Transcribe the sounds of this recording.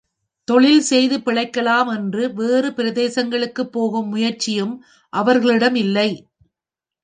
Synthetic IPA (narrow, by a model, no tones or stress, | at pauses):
t̪ɔɭɪlsɛjðɯpɪɭɐɪkːɐlaːmɛndrɯʋeːrɯpɪɾɐðeːsɐŋɡɐɭɯkːɯpːoːɣɯmːʊjɐɾt͡ʃɪjɯm | ʔɐʋɐɾɣɐɭɪɽɐmɪlːɐɪ